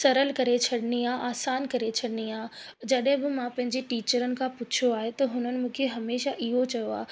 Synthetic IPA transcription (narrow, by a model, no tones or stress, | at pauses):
sɐɾəlkɐɾet͡ɕʰɐɽɪniaːʔaːsaːnkɐɾet͡ɕʰɐɽɪniaːd͡ʑɐɗɦɪ̃bɪmãpɐ̃ɦɪ̃ɲd͡ʑeʈiːt͡ɕəɾənɪ̆kʰãpʊt͡ɕʰoaːɦet̪ɐɦʊnənɪ̆mũːkʰeɦɐmeːʃaʔɪɦot͡ɕɐjoa̰ːe